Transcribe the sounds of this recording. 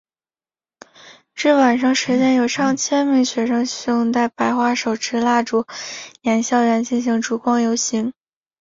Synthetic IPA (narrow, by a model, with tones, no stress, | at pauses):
ʈ͡ʂɻ̩˥˩wa˨˩nʂɑ˥˧ŋʂɻ̩˧˥t͡ɕjɛ˥˩njo˨˩ʊʂɑ˥˩ŋt͡ɕʰjɛ˥nmi˧˥ŋɕɥɛ˧˥ʂɤ˥ŋɕʊ˥˧ŋt͡s̪a˥˩ɪpa˨˧˩ɪxwa˥˩ʂo˨˩ʊʈ͡ʂʰɻ̩˧˥la˥˩ʈ͡ʂu˧˥jɛ˧˥nɕjɑ˥˩ʊɥɛ˧˥nt͡ɕi˥˩nɕ̬i˧˥ŋʈ͡ʂu˨˩kwɑ˥˩ŋjo˧˥ʊɕi˧˥ŋ